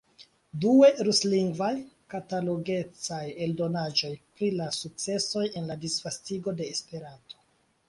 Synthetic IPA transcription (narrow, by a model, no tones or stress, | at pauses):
due̞ɾusliŋɡvaj | kataloɡe̞t͡saje̞ldo̞nad͡ʒo̞jpɾilasuk̚t͡se̞so̞je̞nladisv̥astiɡo̞de̞ːspe̞ɾato̞̥